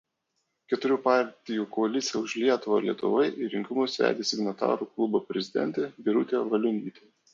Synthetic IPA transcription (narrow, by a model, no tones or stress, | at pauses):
kʲɛt̪ʊɾʲuːpɑˑɾʲt̪ʲɪjuːkɔɐlʲɪt̪sʲɪjɛʊʒʲlʲiɛt̪ʊʋo̰lʲiɛt̪ʊ̰ʋɐɪʔɪɾʲɪŋʲkʲɪmʊsʋʲæ̰ːd̪ʲesʲɪɡnɐt̪ɑ̰ːɾuːklˠʊbopʲɾʲɛzʲɪd̪ʲɛ̰nʲt̪ʲeːbʲɪɾʊt̪ʲeːʋɐlʲʊnʲiːt̪ʲeː